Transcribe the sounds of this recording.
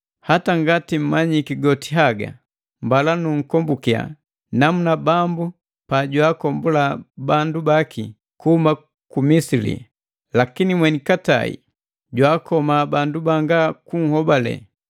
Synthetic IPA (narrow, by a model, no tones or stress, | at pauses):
hataŋɡatim̩maɲikiɡɔtiɦaɡa̰ | mbalanuŋ̩kɔmbukia̰ | namunabambu | paɟwaːkɔmbulabandubakʰi | kuhuma | kumisilḭ | lakinimwɛnikata̰ḭ | ɟwaːkɔmabandubaŋɡakuŋ̩hɔbalɛ̰